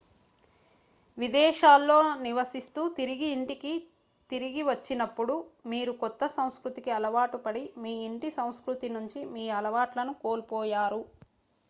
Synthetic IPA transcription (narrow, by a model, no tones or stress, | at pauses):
ʋid̪ɛːʃaːlːo̞ːniʋɐsist̪uːt̪iɾiɡiːɳʈiki | t̪iɾiɡiʋɐt͡ʃːinɐpːuɽumiːɾukɔt̪ːɐsɐw̃skɾut̪ikiɐlɐʋaːʈupɐɽimiːiɳʈisɐ̃w̃skɾut̪inuɲt͡ʃimiːɐlɐʋaːʈlɐnukoːlpɔːjaːɾu